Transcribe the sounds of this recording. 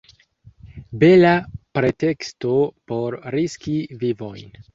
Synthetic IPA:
be̞lapɾe̞te̞ksto̞po̞ɾɾiskivivo̞jn

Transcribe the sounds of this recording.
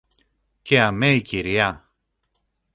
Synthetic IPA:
ceɐmeiciɾiɐ

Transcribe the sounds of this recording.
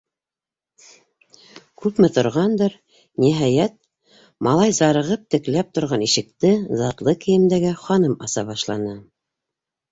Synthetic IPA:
kʉpmɘt̪ŏɾʁɑnd̪ɤɾ | niɦɑjæt̪̚ | mɑlˠɑjzɑɾɤ̆ʁɤp̚t̪ɘ̆klæp̚t̪ŏɾʁɑniʃɘ̆k̚t̪ɘzɑt̪lˠɤkɘ̆jɘ̆md̪æɡæχɑnɤmɑsɑβɑʃlˠɑnɤ

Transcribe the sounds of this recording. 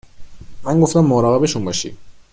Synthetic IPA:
mæŋɡoft̪æmːɒːɾɒːɣebeʃunbɒːʃḭ̥

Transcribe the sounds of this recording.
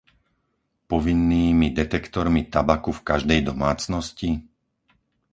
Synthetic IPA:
pɔʋinːiːmid̪ɛt̪ɛkt̪ɔɾmit̪abakufkaʒd̪ɛjd̪ɔmaːt͡snɔsci

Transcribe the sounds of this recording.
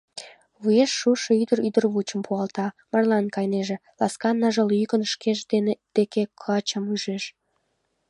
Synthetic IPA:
βujeʃːuʃɤyd̪əɾyd̪ərβut͡ɕəmpʰuɑlt̪ɑ | mɑrlɑnkɑjneʒĕlɑ̰skɑnːɑʒəlyjkənʃkeʒd̪ened̪̥ekekʰɑt͡ɕəmyʒeʃ

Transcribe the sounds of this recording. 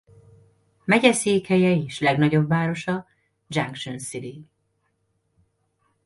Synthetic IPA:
mɛɟɛseːkhɛjɛiʃlɛɡnɒɟo̞bvaːɾo̞ʃɒ | d͡ʒaŋkʃonsiɾi

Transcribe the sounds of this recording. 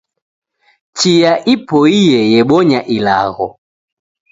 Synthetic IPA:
t͡ʃijaʔipɔijɛjɛɓɔɲaʔila̰ɣɔ

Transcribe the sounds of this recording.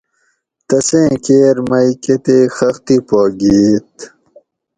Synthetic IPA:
t̪ɐsẽːkeːɾmɐjket̪exɐxt̪ipoːɡiːt̪̚

